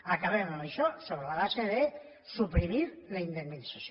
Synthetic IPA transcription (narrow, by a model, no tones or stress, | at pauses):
akaβenoneʃɔsoβɾelaβaseðe | supɾimiɾ | laind̪emːinisas